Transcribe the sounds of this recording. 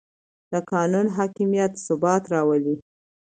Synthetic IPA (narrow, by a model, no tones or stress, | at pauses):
d̪̥əkɑnunɦɑkimjat̪sʊbɑt̪ɾɑwəli